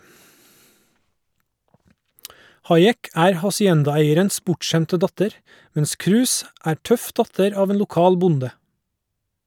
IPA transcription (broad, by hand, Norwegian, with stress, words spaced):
ˈhɑɪˌeːk ˈæːɾ hɑsɪˈɛndɑˌeɪəɾəns ˈbʊʈˌʃæmtə ˈdɑtəɾ ˈmɛns ˈkɾʉːs ˈæː ˈʈœf ˈdɑtəɾ ˈɑːʋ ˈeːn lʊˈkɑːl ˈbʊndə